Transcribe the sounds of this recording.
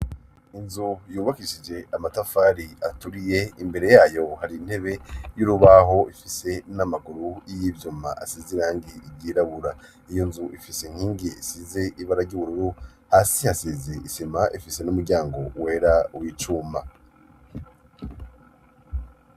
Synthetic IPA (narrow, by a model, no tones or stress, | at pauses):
inzujuːβakiʃid͡ʒe̞ʔamatafaːɾiatuɾije̞imbe̞ɾe̞jaːjo̞haɾin̥he̞βe̞juɾuβaɦo̞ifise̞namaɡuɾuijiːvjuma̰ʔa̰siziɾaːŋɡiibɟiːɾaβuɾa | ijo̞nzuʔifiseŋ̥hiːŋɡiisize̞ʔiβaɾaɾɟuβuɾuɾu | haːsihasizeʔisimaʔifise̞numuɾɟaːŋɡo̞we̞ːɾawiːt͡ʃuːmba